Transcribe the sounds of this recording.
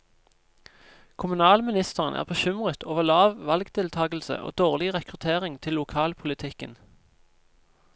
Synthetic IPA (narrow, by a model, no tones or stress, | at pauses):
kʰʊmʉnɑːlmɪnɪst̪əʁənʔæ̰ːʁbəʃʏmʁət̪ʰoːʋəʁlɑːʋʋɑlɡd̪ʰɪlt̪ʰɑːɡl̩sə̰ʔo̰ːd̪oːʁlɪʁɛkʁʉt̪ʰeːʁɪŋt̪ʰɪlːʊkʰɑːlpʰʊlɪt̪ʰɪkən